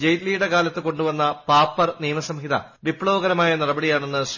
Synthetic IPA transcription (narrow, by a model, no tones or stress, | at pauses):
d͡ʑejt̪lijuɽe̞kaːlɐt̪ːɨko̞ɳɖuʋɐnːɐpaːpːɐrniːmɐsɐmɦid̪ɐ̰ | ʋipːɭoːɡɐɾɐmaːjɐnirɐbɐɽijaːɳenːɨs